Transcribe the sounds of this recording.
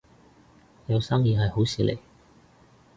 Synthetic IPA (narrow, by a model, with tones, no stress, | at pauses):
jɐ˨˧wsaː˥ŋjiː˨˧ɦɐ˨jho˨˥wsiː˨˧lḛ˨˩j